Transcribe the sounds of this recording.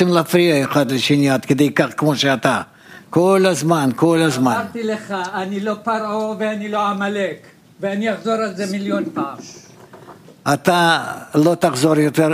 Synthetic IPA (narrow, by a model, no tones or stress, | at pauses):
imlɛafɾiaeχad̪leʃinjaːt̪ked̪ejkaχkmo̞ʃeat̪a | kolazmanko̞lazmaɾt̪ileχaːnilo̞paɾʔoveanilo̞amalek | veanijaχzo̞ɾalzemiljo̞npaam | at̪alo̞t̪aχzo̞ɾjot̪e